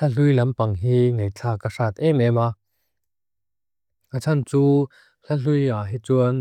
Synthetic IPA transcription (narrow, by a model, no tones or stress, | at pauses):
ɐɬujlɐmpɐŋɦiːŋejt͡ɬʰaːkaʂat̪̚ɛmɛma | ʔat͡sʰɐnt͡suː | ɬɐɬujaɦit͡suən